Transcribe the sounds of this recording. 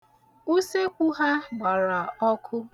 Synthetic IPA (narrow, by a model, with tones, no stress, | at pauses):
u˦se˦kʷu˦ɦa˦ɡ͡ba˨ɾa˨ɔ˦kʰʊ˦